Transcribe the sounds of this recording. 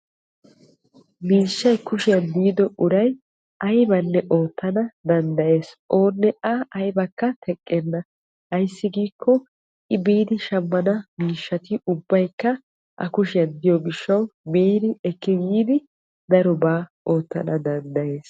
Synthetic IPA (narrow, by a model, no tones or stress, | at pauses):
miːʃːɐjkʊʃɪjɐnd̪iːd̪ɔʔʊɾɐj | ʔɐjbɐnːɛʔo̞ːt̪ːɐnɐd̪ɐnd̪ɐʔe̞ːsʔo̞ːnːɛʔɐɐjbɐkːɐt̪ʰɛkʼːɛnːɐ | hɐjsːɪɡiːkʰːɔ | ʔɪbiːd̪ɪʃɐmːɐnɐmiːʃːɐt̪ɪʊbːɐjkːɐ | ʔɐ̰kʊʃɪjɐnd̪ɪjɔɡɪʃːɐwmiːd̪ɪɛkːɪjiːd̪ɪ | d̪ɐɾɔbaː | o̞ːt̪ːɐ̰nɐd̪ɐnd̪ɐʔe̞ːs